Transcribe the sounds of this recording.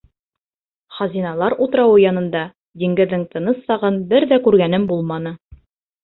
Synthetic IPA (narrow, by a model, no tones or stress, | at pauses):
χɑzʲinɑlˠɑɾut̪ɤɾɑwɤjɑnɤ̆nd̪ɑ | d̪iŋɡɘ̆ðːɘŋt̪ʰɤ̆nɤsːɑʁɤnbɘɾðækʉɾɡænɘmbulˠmɑnɤ